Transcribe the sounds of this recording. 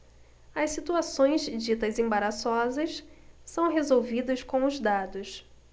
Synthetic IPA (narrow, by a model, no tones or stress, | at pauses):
ɐssit̪uasõj̃zd͡ʒit̪ɐzẽbaɾasɔzɐssɐ̃w̃ɦezowvid̪ɐskõw̃ʊzd̪ad̪ʊs